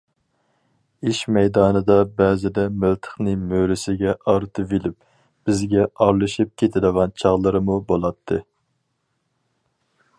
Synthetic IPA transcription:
iʃmɛjd̪ɑːnɨd̪ɑbɛːzɪd̪ɛmɪlt̪ʰə̥χnɨmøɾɪsɪɡʲɛʔɑɾt̪ʰɨvelɪp | b̥ɪzɡʲɛʔɑɾlˠɨʃip̚kʲʰet̪ʰɪd̪əʁɑnt͡ʃʰɑʁlˠɨɾɨmubolˠɑt̪ʰːɨ

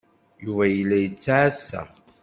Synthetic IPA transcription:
juvæjəlːæjət͡sːaʕsːæ̰

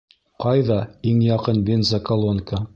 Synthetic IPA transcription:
qɑjðɑiŋjɑqɤnbʲenzakolˠonkə

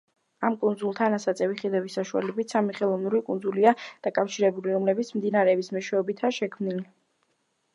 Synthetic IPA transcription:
amkʼund̪zulˠt̪ʰanatsat̪sʼɛviχid̪ɛvisaʃua̰lɛbit̪ʰsamiχɛlˠɔvnuɾikʼund̪zuliad̪̥akʼafʃiɾɛbuliɾɔmlɛbit̪sʰmd̪inaɾɛːbismɛʃwɛɔbit̪ʰaʃɛkʰmnili

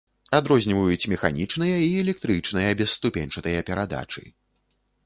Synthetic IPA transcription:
ad̪ɾɔzʲnʲivɐjut͡sʲmʲɛxa̰nʲit͡ʂnɨjɐiɛlʲɛk̚t̪ɾɨt͡ʂnɐjɐbʲɛsst̪upʲɛnʲt͡ʂɐt̪ɨjɐpʲɛɾad̪a̰t͡ʂɨ̰

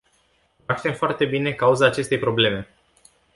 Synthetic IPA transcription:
aʃt̪emfoart̪e̞bine̞kauzaːt͡ʃe̞st̪e̞jpɾo̞ble̞me̞

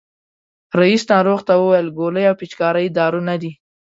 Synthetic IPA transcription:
ɾaisnɑɾoɣt̪awəwajəlɡoləjawpɪt͡ʃkɑɾəjd̪ɑɾunad̪i

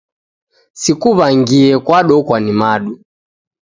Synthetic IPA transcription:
sikuβaŋɡiɛkwaɗɔkwanimaɗu

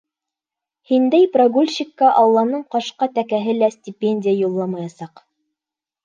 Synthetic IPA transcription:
hind̪æjpraɡulʲɕikːɑʔɑlˠːɑnɤɴqɑʃqɑt̪ækæɦɘlæsʲtʲɪpʲenʲdʲɪjajulˠːɑmɑjɑsɑq

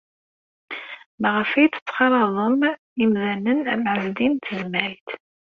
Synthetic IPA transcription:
məʁəfijt͡s̪ːə̥t͡sːqɑɾˤɑðˤəm | imðænənæ̰mʕəzd̪int̪zmælt̪

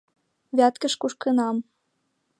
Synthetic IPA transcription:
vʲɑt̪kə̆ʃkuʃkɤ̆nɑm

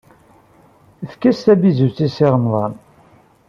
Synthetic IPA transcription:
θkːæst̪æbizut͡sːisɪʁəmðˤɑn

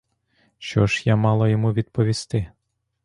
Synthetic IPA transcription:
ʃt͡ʃɔʒjamɑlˠɔjɔmuʋʲid̪̚pɔʋʲist̪ɪ

